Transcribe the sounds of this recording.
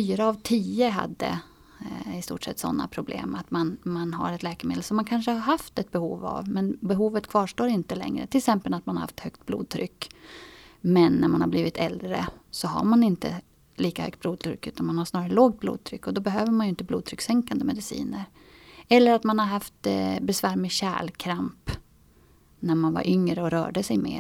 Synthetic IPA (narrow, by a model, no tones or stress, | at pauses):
fyːɾaːvt̪ʰiːəɦa̰d̪ːə̰ | ɪst̪ṵːʈʂɛ̰t̪ːsɔ̰nːa̰pʰɾʊblḛːmat̪manmanɦa̰ɾɛt̪lɛːkmḛːd̪əlsɔmːankʰanʂəhaɾɦaft̪ɛt̪̚bɛhuːva̰vmɛnbɛɦuːvət̪kʰvɑːʂʈoːɾɪnt̪əlɛ̰ŋɾə̰t̪ʰɪlksɛmpəlat̪manhaɾha̰ft̪hœkt̪̚blṵːd̪̚t̪ʰɾʏkː | mɛnːæɾmanhaɾbliːvɪt̪ɛld̪ɾə̰sɔɦa̰ɾmanɪnt̪ə̰ | liːkahœ̰kt̪̚bluːd̪̚t̪ʰɾʏ̰kːʉ̟ːt̪anmanhaʂnɑːɾaɾəloːɡ̚t̪̚blṵːd̪̚t̪ʰɾʏkːɔd̪ɔbɛɦøːvəɾmanjɵɪnt̪əbluːd̪̚t̪ʰɾʏksɛŋkand̪əmɛd̪ɪsḭːnəɾ | ɛlːəɾat̪manhaɾɦaft̪bɛsvæːɾmɛɕæ̰ːlkʰɾamp | næɾmanva̰ɾʔʏŋɾəɔɾœ̰ːɖəsɛjmḛː